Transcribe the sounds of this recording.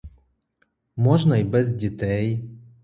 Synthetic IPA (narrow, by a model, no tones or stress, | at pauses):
mɔʒnɐjbɛzdʲɪt̪ɛj